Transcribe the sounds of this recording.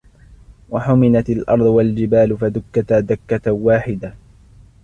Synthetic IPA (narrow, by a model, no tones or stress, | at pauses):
waħʊmɪnat̪alʔɑ̰ɾˤd̪ˤʊwald͡ʒɪbaːlʊfad̪ʊkːat̪ad̪akːat̪waːħɪd̪a